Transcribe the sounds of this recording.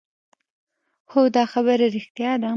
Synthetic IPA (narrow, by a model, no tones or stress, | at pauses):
xod̪ɑxabəɾaɾɪxt̪jɑd̪a